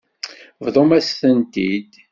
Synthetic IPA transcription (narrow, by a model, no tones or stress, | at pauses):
vðˤomæsθənt̪id̪